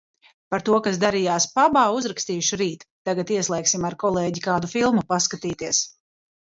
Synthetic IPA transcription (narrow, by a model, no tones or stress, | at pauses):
paɾt̪uɔkasd̪aɾijaːspabaːuzɾakst̪iːʃuɾiːt̪ːaɡat̪iɛslˠɛjksimaɾkɔlˠeːɟikaːd̪ufilˠmupaskat̪iːt̪iɛs